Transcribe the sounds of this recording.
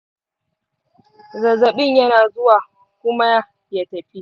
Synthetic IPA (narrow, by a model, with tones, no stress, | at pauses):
zɐ˨zɐ˨ɓɪ˦˨ɲjɐ˦naː˨zʊ˦waː˨ | kʷʊ˦ma˦a˦ | ja˨tɐ˨ɸi˦